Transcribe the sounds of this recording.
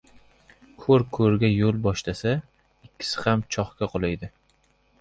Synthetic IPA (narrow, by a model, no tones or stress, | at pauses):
kʰɵɾkʰɵɾɡʲajolˠbɒʃlasa | ɪkʲʰːɪ̥sɪ̥χamt͡ʃʰɒχkʲaqʰolˠajd̪ɪ